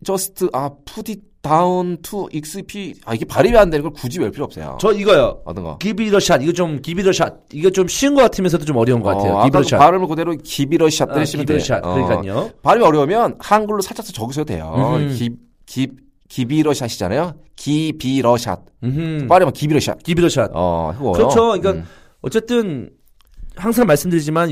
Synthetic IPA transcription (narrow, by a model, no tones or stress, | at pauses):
t͡ɕʌsʰɯ̥tʰɯʔapʰuditauntʰuʔik̚s͈ɯpʰia̰iɡe̞paɾimiɦanɯndweɯnŋɡʌɭkud͡ʑibʌɭpʰiɾʌps͈ʰʌjo̰t͡ɕʌiɡʌjoʌt͈ɯnɡʌ̰kibiɾʌɕʰadiɡet͡ɕomkibiɾʌɕʰad̚iɡet͡ɕomɕʰiɯnɡʌk͈atʰɯmjens̬ʰʌdot͡ɕomʌɾjʌunɡʌk͈atʰejoa̰kpaɾɯɭmɯkɯdeɾokibiɾʌɕʰiat̚t͈eeɕʰimdeɕa̰t̚ɯk͈aopaɾɯmiʌɾjʌumjʌnhanɡuɭːosʰat͡ɕʰasʰʌt͡ɕʌɡɯsʰdodwḛjo̰i | kip̚ | kibiɾʌɕʰaɕʰid͡ʑa̰najo | kibiɾʌɕʰa̰t̚paɾimakibiɾʌɕʰia̰t̚kibiɾʌɕʰat̚ʌ̰heɡokjɯt͡ɕʰoikan | ʌt͡ɕ͈e̞t͈ɯn | haŋsʰaŋmaɭs͈ɯmdɯɾid͡ʑiman